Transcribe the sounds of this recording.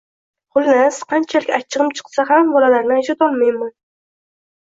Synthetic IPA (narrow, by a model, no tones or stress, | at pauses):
χʊlˠnasqʰɑnt͡ʃʰalɪkʲat͡ʃʰːɨʁɨmt͡ʃʰɨ̥qsaɦambɒlalaɾnɪaʒɒt̪ɒlˠmajman